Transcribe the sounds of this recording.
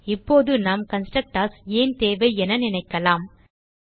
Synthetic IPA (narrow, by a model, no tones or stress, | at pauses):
ɪpːoːðɯnaːmkɐnsʈɾɐk̚ʈaːseːnt̪eːʋɐɪɛnɐnɪnɐɪkːɐlaːm